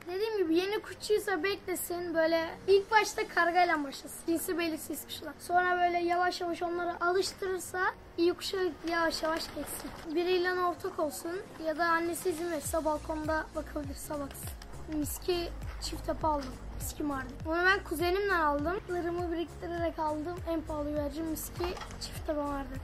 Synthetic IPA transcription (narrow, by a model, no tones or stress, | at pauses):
d̪e̞d̪iːmɟibije̞nikʰut͡ʃʰujsabɛclʲesinbø̞jlʲɛilʲcbaʃt̪ʰakʰaɾɡaelʲænbaʃlˠasɯnd͡ʒinsibe̞lʲiɾsijismɯ̥ʃulˠanso̞nɾabø̞jlʲɛjavaʃjavaʃo̞nlˠaɾɯʔalˠɯʃt̪ʰɯɾɯɾsa | ijukʰu̥ʃajavaʃjavaʃɟɛtʲsinbiɾejlʲɛno̞ɾt̪ʰakʰo̞lˠsunjad̪aːnːe̞siːzimɛɾsabalˠkʰo̞nd̪avakʰɯlˠbiɾsabaksɯ | miscʰit͡ʃʰift̪ʰapʰaalˠd̪ɯmːiscʰimaɾd̪ɯonabænkʰuze̞nimlʲɛnalˠd̪ɯmɯɾɯmɯbiɾicʲist̪ʰiɾeɾɛkalˠd̪ɯmænpʰaːlˠɯvæɾd͡ʒimːiscʰi | t͡ʃʰi̥ft̪ʰapavaɾd̪ɯ